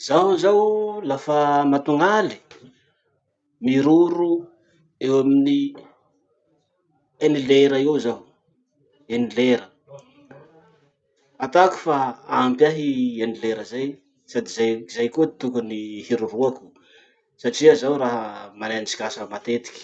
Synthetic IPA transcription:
z̥aɦuzawlafamat̪uŋali̥ | miɾuɾu | ewamini | enileɾaiwzaw | enileɾə | at̪aku̥faampjaɦienileɾəzaj | sad̪izazajkot̪ukunihiɾuɦuaku̥ | saʈ͡ʂiazawɾaɦəmaneant͡ʃi̥kasəmat̪et̪i̥kʲi̥

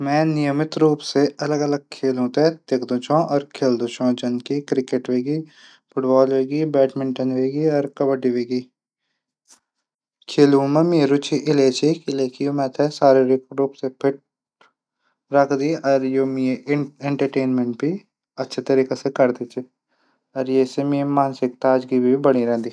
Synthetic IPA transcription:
mɛ̃ːnijəmɪt̪ɾuːpseɐləɡɐləɡ̚kʰeːlɦũːt̪et̪ekʰd̪ũt͡ʃʰɔ̃ːʔɔːɾkʰeːld̪ũt͡ʃʰɔ̃ːd͡ʒɐnkikɾɪkeʈʋeːɡiː | pʰʊʈbɔːlʋeːɡibɛːʈmɪ̃ɳʈənʋeːɡiɔːɾkɐbəɖiʋeːɡiː | kʰeːluːmẽmiːɾut͡ʃʰiʔɪleːt͡ʃʰikɪleːkʰijomɛ̃ːt̪ʰɛsaːɾeɾɪɾuːpsepʰɪʈ̚ | ɾəkʰd̪iːʔɔɾjoːmieẽɳʈəɾʈeːnmẽɳʈ̚bi | ətːʃʰat̪əɾiːkasekəɾd̪iːt͡ʃʰi | əɾjeːsemĩːmaːnsɪk̚t̪aːd͡ʒɡibʱibəɽ̃iɾɛ̃ːnd̪iː

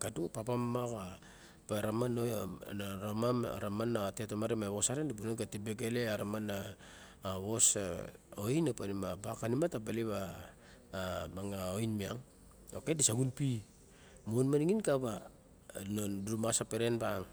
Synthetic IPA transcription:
kadupapamːaka | paɾamanonaɾamam̰ɾamanatetomaɾemaβo̞saɾendibunonkatibeɡeleaɾamanaː | βo̞saojnapanimabakanimatabaliβaː | maŋaojnmiaŋ | okedisaɡunpi | monmaniŋinkaba | nonduɾumasapeɾenbaŋ

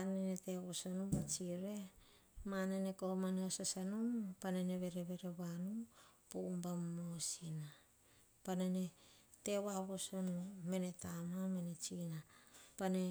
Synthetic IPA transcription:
anenete̞βosonubat͡ʃiɾe̞ | manenekomaneosasanumpanene̞βe̞ɾe̞βe̞ɾe̞βanupoumbammosina | panene̞te̞βaβosonume̞ne̞tamame̞ne̞t͡ʃinapane̞

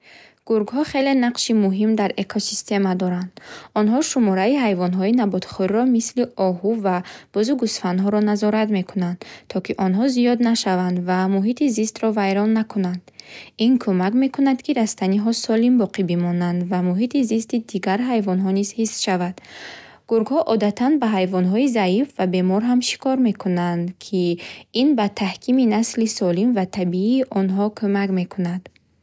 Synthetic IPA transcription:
ɡ̥uɾɡhɔχe̞le̞naqʃimuɦimd̪aɾe̞kʰosi̥st̪e̞mad̪ɔɾand̪̥ɔnɦɔʃumɔɾaiɦajvɔnɦɔinabɔt̪χɔɾiɾɔmisliɔɦuvab̥ɔzuɡusfanɦɔɾɔnazɔɾat̪me̞kʰunand̪̥t̪ʰːɔkiʔɔnɦɔzijɔd̪naʃavand̪vamuɦit̪izist̪ɾɔvajɾɔnːakʰunand̪̥inkʰumakme̞kunad̪kʰiɾast̪aniɦɔsɔlimbɔqʰibimɔnand̪vamuɦit̪izist̪id̪iɡaɾɦajvɔnɦɔniz̥hisʃavad̪̥ | ɡ̥uɾɡhɔʔɔd̪at̪ʰanbaɦajvɔnɦɔizaifvabe̞mɔɾɦamʃi̥kʰɔɾme̞kʰunand̪kʰiinbat̪ʰahkʰiminaslisɔlimvat̪ʰabiiːʔɔnɦɔkʰumakme̞kʰunad̪̥

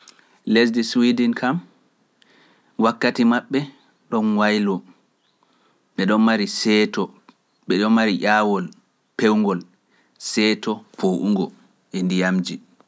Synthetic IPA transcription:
les̬diswidinkʰam | wakːatimaɓːɛ | ɗɔnwajlɔ | ɓɛɗɔnmaɾisɛtɔ | ɓɛɗɔnmaɾiʔaːwɔl | pewŋɡɔl | sɛtɔpʰoʔuŋɡɔ | ʔɛndijamd͡ʒi

